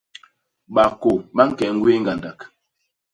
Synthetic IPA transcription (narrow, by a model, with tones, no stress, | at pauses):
ɓa˨ko˨ɓa˦ŋ̩˦kɛ˨˦ŋ̩˦ɡwe˦ŋ˦ɡa˨nda˨k